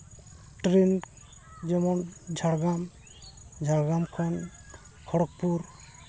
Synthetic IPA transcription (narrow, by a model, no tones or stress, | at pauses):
ʈɾen | d͡ʒɔmɔnd͡ʒʱaɽɡam | d͡ʒʱaɽɡamkʰɔn | kʰɔɽɔk̚puɾ